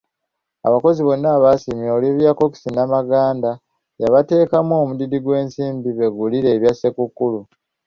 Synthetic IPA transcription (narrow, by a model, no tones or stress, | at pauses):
a̰βako̞ziβo̞nːaːβasimjoːleβjako̞ki̥sinamaɡaːnda | jaβate̞ːkamuomudidiɡwe̞ːnsiːmbiβe̞ɡuliɾe̞ːβjase̞kukːulu